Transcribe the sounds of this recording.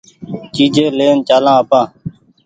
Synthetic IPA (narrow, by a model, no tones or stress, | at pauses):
t͡ʃiːd͡ʒʱẽːleːnt͡ʃaːlãːəpãː